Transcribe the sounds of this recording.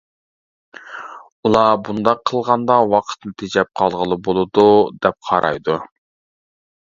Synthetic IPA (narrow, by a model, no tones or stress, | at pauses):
ulˠɑbund̪ɑqʰːəlˠʁɑnd̪ɑwɑqʰə̥t̪nɨt̪ʰid͡ʒɛp̚qʰɑlˠʁəlˠɨbolˠɨd̪ud̪ɛp̚qʰɑɾʔɑ̰jd̪u